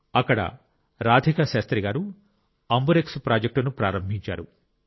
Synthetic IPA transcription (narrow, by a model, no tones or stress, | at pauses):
ɐkːɐɽɐ̰ | ɾaːd̪ʱikɐʃaːst̪ɾiɡaːɾu | ɐmbuɾekspɾaːd͡ʒek̚ʈunupɾaːɾɐmbʱiɲt͡ʃa̰ːɾu